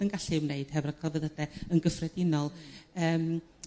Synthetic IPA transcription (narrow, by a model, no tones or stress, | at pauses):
ənɡaɬɪmneɨd̥hɛvrakʰɔvɛðədɛənɡəfrɛdɪnɔlˠəːm